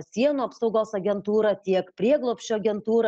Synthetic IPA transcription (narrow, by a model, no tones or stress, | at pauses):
sʲiɛnuːɐpsɐʊɡoːsɐɡʲɛnt̪uːɾɐt̪ʲiɛkpʲɾʲiɛɡlˠoːpʲʃʲt͡ʃʲuɐɡʲɛnt̪uːɾɐ